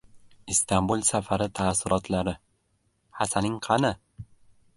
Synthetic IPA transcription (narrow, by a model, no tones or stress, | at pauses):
ɪst̪ʰambulˠsafaɾɪt̪ʰaːsːʊɾɒt̪laɾɪ | hasanɪŋqʰɑnɪ